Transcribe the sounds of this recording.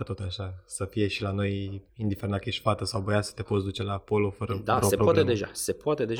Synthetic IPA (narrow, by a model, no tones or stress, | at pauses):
ət̪o̞t̪aʃasəfije̞ʃilano̞jind̪ifeɾenakeʃfat̪əsawbəjasə̥t̪e̞pot̪sʲd̪ut͡ʃe̞lapo̞lo̞fəɾəd̪aɾosepɾooaed̪eʒase̞poat̪e̞d̪e̞ʒ